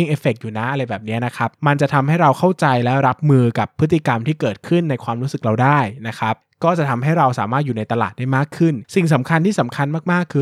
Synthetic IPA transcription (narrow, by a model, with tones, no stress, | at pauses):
i˥˩ŋʔeː˧fe˨˩k̚juː˨˩na˦˥ʔa˧ɾa˧jbɛː˨˩p̚ni˦˥ɐna˦˥kʰa˦˥p̚ma˧nt͡ɕa˨˩t̪ʰa˧mha˥˩jɾa˧wkʰa˥˩wt͡ɕa˧jlɛ˦˥ɾa˦˥p̚mɯː˧ka˨˩pʰːɯ˦˥t̪ːi˨ka˧mt̪ʰiː˥˩kɤː˨˩t̪̚kʰɯ˥˩nːa˧jkʰwaː˧mɾuː˦˥sɯ˨˩k̚ɾa˧wdaː˥˩jna˦˥kʰa˦˥p̚kɔː˥˩t͡ɕa˨˩t̪ʰa˧mɦa˥˩jɾa˧wsa̰ː˩˦maː˥˩t̪̚juː˨˩na˧jt̪a˧la̰ː˨˩t̪̚da˥˩jmaː˥˩kʰːɯ˥˩nsi˨˩ŋs̬a˩˦mkʰa˧nt̪ʰiː˥˩sa˩˦mkʰa˧nmaː˥˩k̚maː˥˩kʰːɯː˧